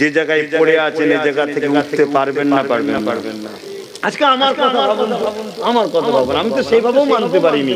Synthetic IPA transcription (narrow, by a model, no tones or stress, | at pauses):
d͡ʑed͡ʑaɡajkoɾeat͡ɕʰened͡ʑaɡat̪ʰːekeuʈʰt̪epaɾbenːapaɾbenːaɾe | at͡ɕʰkeamaɾkɔt̪ʰaɦɔbonamaɾkɔt̪ʰaɦɔbonaamit̪oʃejbʱabeomant̪epaɾimi